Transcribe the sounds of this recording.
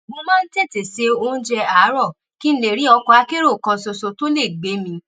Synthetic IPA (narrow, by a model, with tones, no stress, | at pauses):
mõ˧mã˦n̩˦te˦˨te˨se˨˦o˦˧ñ̩˦d͡ʒɛ˧a˨˦ɾɔ˦˨ | ki˦n̩˦le˨ɾĩ˨˦ɔ˧kɔ˧a˧˦ke˦ɾo˦˨kɔ̃˧so˧so˧to˦le˦˨ɡ͡be˨˦mĩ˧